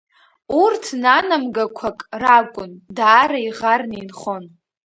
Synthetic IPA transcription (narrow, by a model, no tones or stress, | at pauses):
urtʰnanamɡakʷʰakʼrakʷʼʊndaːraiʁarninχo̞n